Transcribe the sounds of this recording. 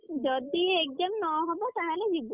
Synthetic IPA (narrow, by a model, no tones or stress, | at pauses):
d͡ʒɔd̪iek̚dɔmnɔɦɔbɔt̪aɦalɛd͡ʒibu